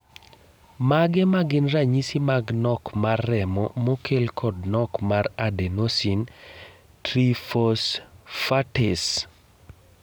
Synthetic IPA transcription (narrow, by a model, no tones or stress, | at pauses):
maɡɛmaɡɪnraɲisimaɡnɔkmarːɛmɔmokʰelkʰɔdnɔkmaɾadenosin | tɾifɔsfates